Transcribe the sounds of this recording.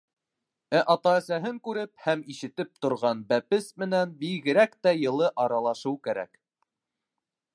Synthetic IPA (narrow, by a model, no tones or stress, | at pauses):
æʔɑt̪ɑːsæɦɘŋkʉɾɘp̚hæmiʃɘ̆t̪ɘp̚t̪ŏɾʁɑnbæpɘsmɘ̆nænbiɣɘ̆ɾækt̪æjɤ̆lˠɤʔɑɾɑlˠɑʃɤwkæɾæ̰k